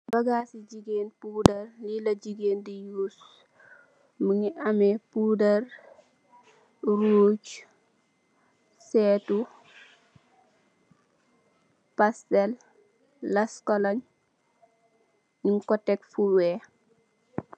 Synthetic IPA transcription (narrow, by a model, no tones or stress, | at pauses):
bɐɡasid͡ʒiɡeːnpudɐrlilɐɟiɡeːndijuːs | məŋiʔɐmepudɐr | ɾut͡ʃ | sɛːtu | pastɛlː | ɐskɔlaɲ | niŋkɔtɛkfuwɛ